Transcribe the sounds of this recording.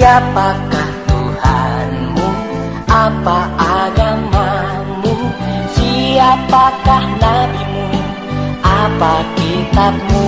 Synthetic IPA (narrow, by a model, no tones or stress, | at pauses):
apakaht̪uhanmu | ʔapaaɡama | musiapakahnabimu | ʔapakit̪ap̚mu